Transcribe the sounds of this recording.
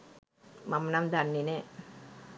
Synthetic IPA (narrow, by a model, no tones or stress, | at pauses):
mɐmnamd̪ʱanːine